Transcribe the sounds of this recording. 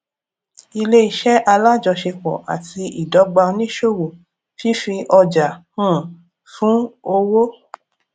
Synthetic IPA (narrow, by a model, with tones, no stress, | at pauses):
i˧le˦i˦˨ʃɛ˦ʔa˧la˦d͡ʒɔ˧ʃe˧kɔ̰˨ʔa̰˨ti˧i˨dɔ˨˦ɡ͡ba˧˦nĩ˦ʃo˦˨wo˨ | fi˦fĩ˧ʔɔ˧d͡ʒa˨hũ˦˨ | fũ˦o˧wo˦